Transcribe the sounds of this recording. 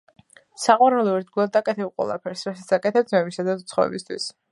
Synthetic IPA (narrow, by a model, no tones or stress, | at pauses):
saqʼɔɾɛlɔɛɾd̪ɡulˠad̪akʼɛt̪ʰɛbqʼwɛ̰lˠa̰pʰɛɾsɾasat̪sakʼɛt̪ʰɛb̚d̪zmɛmisad̪aut̪sʰχɔvɛ̰bist̪ʰwis